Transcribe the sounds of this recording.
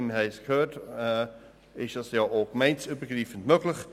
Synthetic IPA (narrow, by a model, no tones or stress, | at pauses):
nnɦɛɪskʰhøːtː | ɪʃd̥ɑsjɑːʔoːɡ̥mɛɪnsybəɡriːfən̩dmøɡlɪχ